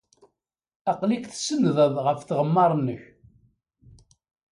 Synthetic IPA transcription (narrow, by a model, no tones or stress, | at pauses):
ɑqlikθsənðəðˤʁəfθʁəmːɑɾˤnːəç